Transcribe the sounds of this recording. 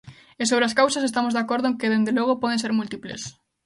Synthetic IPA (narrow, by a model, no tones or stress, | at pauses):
esoβɾeaskawsas̬est̪amozðakoɾðʊeŋkeðend̪eloɣ̞opɔð̞ẽnseɾmult̪iplḛs